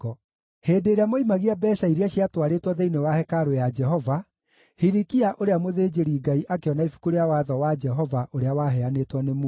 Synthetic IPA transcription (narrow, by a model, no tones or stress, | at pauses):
ɔ | heːdeːɾeamoimaɣiabɛsaiɾeaɕiatwaɾetwɔðeinewahɛkaɾojad͡ʒɛɦɔva | hiɾikiaʔoɾeamoðeːd͡ʒeɾiɡaiʔakeɔnaifu̥kuɾeawaðɔwad͡ʒɛɦɔvaʔoɾeawaɦɛanetwɔnemu